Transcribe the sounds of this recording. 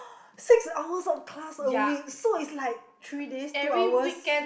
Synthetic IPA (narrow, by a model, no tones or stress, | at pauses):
siksaʊəsɔfkʰlasəwik̚soitslaɪk̚t̪ʰɹidestuawəikɛ̃n